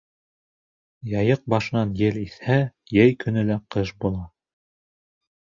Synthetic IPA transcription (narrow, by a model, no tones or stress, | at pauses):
jɑjɤq̚bɑʃɤ̆nɑnjɘliθhæ | jɘjkɵ̆nɘ̆læqɤʃbulˠɑ